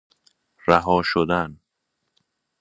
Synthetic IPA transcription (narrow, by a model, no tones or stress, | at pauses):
ɾæɦɒːʃod̪æn